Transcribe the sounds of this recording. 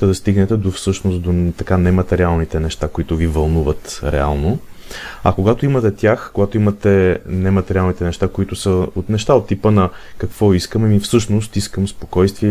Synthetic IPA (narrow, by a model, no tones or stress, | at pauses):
t̪ɛd̪ɐst̪iɡnɛt̪ɛd̪ofsɤʃnost̪d̪ot̪ɐkanɛmɐt̪ɛɾialˠnit̪ɛnɛʃt̪akoit̪ʊvivɐlˠnuvət̪ɾɛ̰a̰lˠno | ɐ̰koɡat̪oimɐt̪ɛt̪ʲjaxkoɡat̪oimɐt̪ɛnɛmɐt̪ɛɾialˠnit̪ɛnɛʃt̪akoit̪ʊsəot̪nɛʃt̪aot̪ːipənɐkɐkv̥ɔiskəmɛmifsɤʃnost̪iskəmspo̥kɔjst̪viɛ